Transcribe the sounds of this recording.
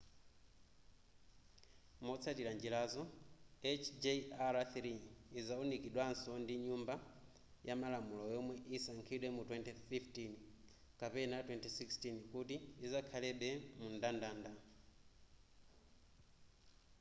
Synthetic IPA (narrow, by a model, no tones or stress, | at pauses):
mɔt͡sʰatiɾand͡ʒilazɔɛt͡ʃʰd͡ʒeaɾaθɾiːzaɔnikiɗwansɔndiɲumba | jamalamulɔjɔmwɛʔisaŋkʰiɗwɛmutwɛntififtin | kapɛnatwɛntisikstinkutiːzakʰalɛɓɛmundandaːnda